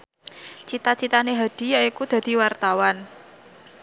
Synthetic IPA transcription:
t͡ʃit̪at͡ʃit̪aneɦad̪̥i̤jaikud̪̥ä̤d̪̥i̤wart̪awan

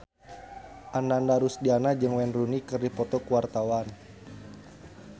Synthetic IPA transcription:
ʔanandaɾusdianad͡ʒɨŋwɛnrunikɨrdipɔt̪ɔkuwart̪awan

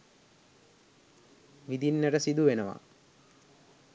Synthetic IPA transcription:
ʋid̪inːəɾəsid̪uʋenəʋa̰

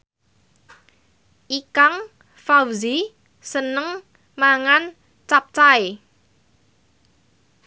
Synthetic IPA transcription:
ʔikaŋ | fawzi | sənəŋ | maŋan | t͡ʃap̚t͡ʃae

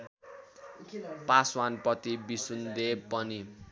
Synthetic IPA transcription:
paswanpʌt̪ibisund̪epʌni

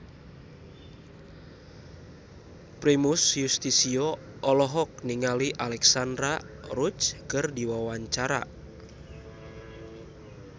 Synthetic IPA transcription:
pɾimusjust̪isiɔ | ɔlɔɦɔk̚niŋaliʔalɛksandɾa | rut͡ʃkərdiwawaɲt͡ʃaɾa̰

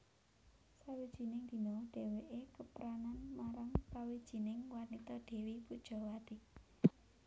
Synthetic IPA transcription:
sawid̥ʒ̥i̤nɪŋd̪̥i̤nɔɖ̥e̤weʔekəpɾananmaɾaŋpɾawid̥ʒ̥i̤nɪŋwanit̪ɔɖ̥e̤wipud̥ʒ̥ɔ̤wad̪̥i̤ʔ

